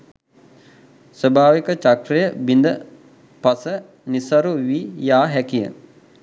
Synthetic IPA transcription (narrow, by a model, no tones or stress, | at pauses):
səbʱaːʋikət͡ʃakɾijəbind̪ə | pasə | nisaɾuʋijaːɦɛkijə̰